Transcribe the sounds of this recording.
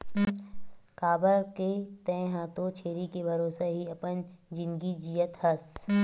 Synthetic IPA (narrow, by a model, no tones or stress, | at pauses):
kaːbəɾket̪ɛ̃ːɦãːt̪ot͡ʃʰeːɾikebʱɐɾoːsaɦiɐpənd͡ʒɪ̃nɡid͡ʒijət̪hɐs